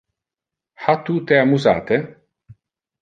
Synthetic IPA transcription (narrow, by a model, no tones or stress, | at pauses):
hat̪ut̪eamuza̰ːt̪e